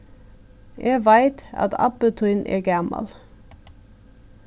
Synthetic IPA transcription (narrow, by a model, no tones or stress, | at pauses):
jʔeːʋæɪt̪ɑ̰t̪ʰɑ̰pət̪ʰʉnʔḛːɡɑmɑ̰l